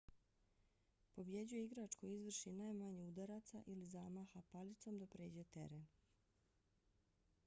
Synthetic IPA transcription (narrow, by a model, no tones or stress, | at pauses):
po̞bje̞d͡ʑuje̞iɡɾat͡ʃkojizʋr̩ʃinajmaɲeud̪aɾat̪sa̰ʔilizaːmaːxapalit̪so̞md̪apɾeːd͡ʑet̪e̞̰ɾen